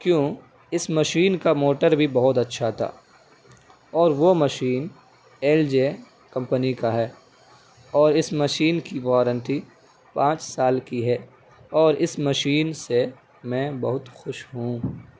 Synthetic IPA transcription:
kjõː | ɪsmɐʃiːnkamoːʈəɾbʱibɐɦʊt̪ɐtːʃʰat̪ʰa̰ː | ɔːɾʋomɐʃiːn | ɛːld͡ʒeː | kɐ̃mpənikaɦɛː | ɔːɾɪsmɐʃiːnkiʋɔːɾə̃nʈi | pãːt͡ʃsaːlkiɦɛː | ɔːɾɪsmɐʃiːnse | mɛ̃ːbɐɦʊt̪xʊʃɦũː

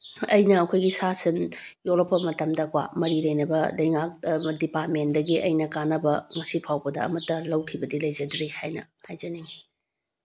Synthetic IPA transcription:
ɐjnɐɐkʰojɡisasɐnjolopːɐmɐtɐmdɐkwa̰mɐɾilɐjnɐbɐlɐjŋak̚dipatmendɐɡiʔɐ̰jnɐkanɐbɐmɐsipʰawbɐdɐɐ̰mɐtːɐlɐwkʰibɐdilɐjd͡ʒɐdɾihajnɐ̰hajd͡ʒɐniŋi

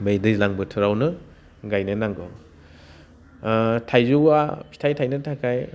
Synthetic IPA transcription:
bejdɯjlaŋbɯtʰuɾawnɯ | ɡajnɯnaŋɡɔ | tʰajzuwapʰi̥tʰajtʰajnɯtʰakʰaj

